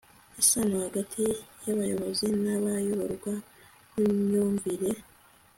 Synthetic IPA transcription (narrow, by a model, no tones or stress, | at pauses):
asanahaɡatʰijaβajo̞βo̞zinaβajoβaɾɡwa | kuɲoːɱviɾe